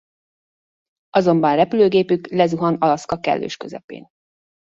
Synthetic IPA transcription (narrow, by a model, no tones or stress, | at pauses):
ɒzo̞mbɒnrɛpyløːɡeːpyklɛzuɦɒnɒlɒskɒkɛ̰lːø̰ːʃkø̞zɛ̰pḛːn